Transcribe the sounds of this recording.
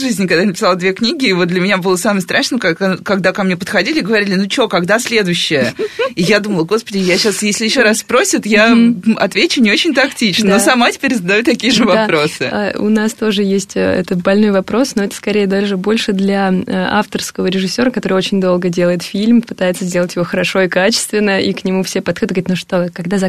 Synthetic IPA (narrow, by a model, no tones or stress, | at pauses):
ʐɨzʲnʲɪkɐɡ̚d̪ajnpɪ̥salˠd̪vʲeknʲiɡʲɪːvot̪̚d̪lʲɪmʲɪnʲabɨlˠəsamɨjst̪ɾʔaʂnək̪kɐɡd̪akɐmnʲepət̪xɐdʲilʲɪɡəvɐɾʲilʲɪnut͡ɕo̞kɐɡd̪asʲlʲe̞d̪ʊjɕːɪjəijad̪uməlˠəɡo̞spədʲɪjaɕasjesʲlʲɪjɪɕːoɾasspɾo̞sʲɪt̪jaɐt̪vʲet͡ɕʊnʲɪot͡ɕɪnʲt̪ɐktʲit͡ɕnnosɐmatʲɪ̥pʲeɾʲzəd̪ɐjut̪t̪ɐkʲijəʐɨvɐpɾosɨʊ̰nast̪o̞ʐɨjesʲtʲə̰ɛ̰t̪əbɐlʲnojvɐpɾo̞sno̞ɛt̪ə̥skɐɾʲejəd̪alʐɨbo̞lʲʂɨd̪lʲɐa̰ft̪ərskəvəɾʲɪʐɨsʲːo̞ɾəkɐt̪o̞ɾɨjo̞t͡ɕɪnʲd̪o̞lˠɡədʲe̞lˠəjɪt̪fʲilʲmpɨ̥t̪ajɪt̪səzʲdʲe̞lˠətʲjɪvo̞xəɾɐʂo̞ɪkat͡ɕɪ̥st̪vʲɪnːəʔiknʲɪmufsʲepɐd̪xodʲt̪ɡzɾt̪ʲnuʂt̪o̞kɐɡd̪azɐ